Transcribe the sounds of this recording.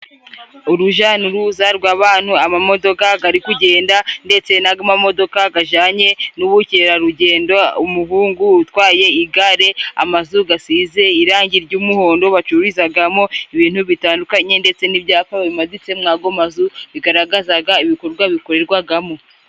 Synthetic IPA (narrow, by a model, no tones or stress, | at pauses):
uɾuʒanuɾuzaɾɡwaːβaːn̥huamamo̞do̞kaɡaɾikuɟe̞ːndande̞t͡se̞naɡamamo̞do̞kaɡaʒaːɲe̞nuβuceɾaɾuɟe̞ːndoumuɦuːŋɡuːtwaːje̞iɡaɾe̞a̰mazuɡasize̞iɾaːɲɟiɾɟuːmuho̞ːndo̞βat͡ʃuɾizaɡamo̞iβiːn̥huβitaːndukaɲe̞nde̞t͡se̞nibjaːfaββimazit͡se̞mŋaːɡomazuβiɡaɾaɡazaɡaiβiko̞ɾɡwaβiko̞ɾe̞ɾɡwaɡamo̞